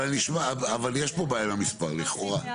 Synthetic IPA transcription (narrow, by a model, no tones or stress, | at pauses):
alniʃmaavaljeʃbobajamamispaʁliχo̞ʁa